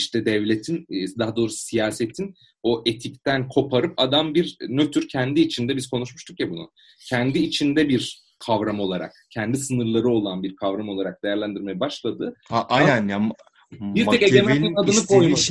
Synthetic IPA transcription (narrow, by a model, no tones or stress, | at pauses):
iʃt̪ʰɛd̪ɛvlʲe̞t̪ʰind̪aɦad̪o̞ːɾusijaːse̞t̪ʰin | o̞ʔe̞t̪ʰic̚t̪ænkʰo̞pʰaɾɯpad̪ambiɾnø̞t̪ʰyɾcʰɛnd̪iːt͡ʃʰind̪ɛbiz̥kʰo̞nuʃmuʃt̪ʰukjabunʊ̰ | cʰɛnd̪iːt͡ʃʰind̪ɛbiɾ | kʰavɾamo̞lˠaɾa̰k̚cʰɛnd̪isɯnɯɾlˠaɾɯo̞lˠanbiɾkʰavɾamo̞lˠaɾak̚d̪e̞jæɾlʲænd̪iɾmejɛbaʃlˠad̪ɯaʔajanja | biɾt̪ʰɛkeɟemɛad̪ɯnɯkʰojuʃ